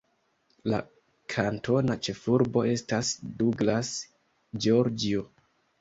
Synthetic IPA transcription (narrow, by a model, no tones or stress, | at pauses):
la | kʰanto̞nat͡ʃe̞fuɾbo̞e̞stasduɡlas | d͡ʒoɾd͡ʒio